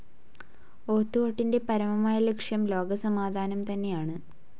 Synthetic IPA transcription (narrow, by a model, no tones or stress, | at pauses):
o̞ːt̪ːuʋoʈːinde̞pɐɾɐmɐmaːjɐlekʂjɐmlo̞ːɡɐsɐmaːd̪ʱaːnɐmt̪ɐnːe̞jaːɳɨ